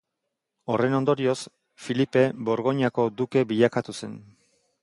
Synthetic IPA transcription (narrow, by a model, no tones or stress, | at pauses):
o̞re̞no̞nd̪o̞ɾio̞s | filipe̞bo̞ɾɣo̞ɲako̞d̪uke̞biʎakat̪use̞n